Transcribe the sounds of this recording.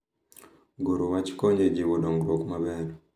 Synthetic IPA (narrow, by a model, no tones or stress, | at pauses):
ɡoɾowat͡ʃkoɲd͡ʒed͡ʒiwɔɗɔŋɡɾokmabɛɾ